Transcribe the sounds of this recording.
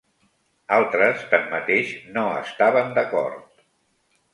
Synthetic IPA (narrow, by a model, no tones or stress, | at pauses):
alˠt̪ɾəst̪amːət̪eʃnoə̰st̪aβənd̪əkɔ̰ɾt̪̚